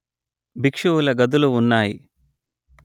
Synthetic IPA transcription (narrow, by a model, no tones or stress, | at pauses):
bikʂuwulɐɡɐd̪uluːnːaːji